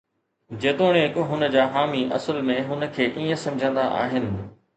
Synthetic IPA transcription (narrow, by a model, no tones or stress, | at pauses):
d͡ʑeːt̪oːɽ̃eɪkɦʊnə̆d͡ʑaːɦaːmiʔɐ̰səlmẽɦʊnəkʰeːʔiːə̃sɐ̃md͡ʑʱə̃nd̪aʔa̰ːɦɪnɪ̆